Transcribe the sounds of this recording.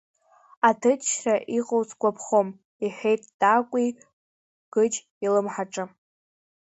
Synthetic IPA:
atʰɨtʃraʔiqʼowt͡sʰʼɡʷapʰχom | iħʷᶣejtʼd̥ʼakʷʼi | ɡ̥ɨd͡ʒ | ilɨmħaʈ͡ʂʼɨ

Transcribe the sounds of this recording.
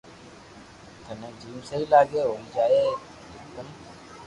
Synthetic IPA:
t̪ʰənẽːd͡ʒiːmsəilaːɠeːɦoːiːd͡ʒaːeː | d͡ʒɪkən

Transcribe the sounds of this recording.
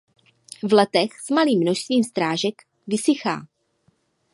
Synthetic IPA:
vlɛt̪ɛxsmaliːmːnoʃst̪viːmst̪ɾaːʒɛk | vɪsɪxa̰ː

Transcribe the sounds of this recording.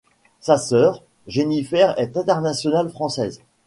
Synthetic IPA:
sasœːʁ | ʒenifɛʁɛt̪ɛ̃t̪ɛʁnasjɔnalfχɑ̃sɛz

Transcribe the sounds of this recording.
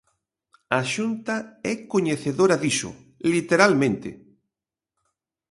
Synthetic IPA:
aʃunt̪aɛkoɲeθeðoɾaðiʃʊ̰ | lit̪eɾalmẽnt̪ḛ

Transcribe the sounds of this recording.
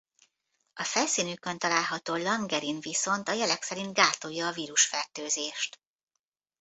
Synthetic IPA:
ɒfɛlsiːnykønt̪ɒlaːlɦɒt̪oːlɒŋɡɛɾinviso̞nt̪ɒjɛlɛksɛɾint̪̚ɡaːt̪o̞jːɒːviːɾuʃfɛrt̪øːzeːʃt̪

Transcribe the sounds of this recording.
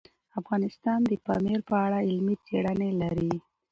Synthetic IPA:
afɣɑnɪst̪ɑnd̪əpɑ̰meɾpəaɽaɪlmit͡seɽanelaɾi

